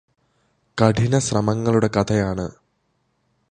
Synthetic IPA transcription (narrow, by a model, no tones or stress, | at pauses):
kɐʈʰinɐɕrɐmɐŋːɐɭuɽe̞kɐt̪ʰɐjaːɳɨ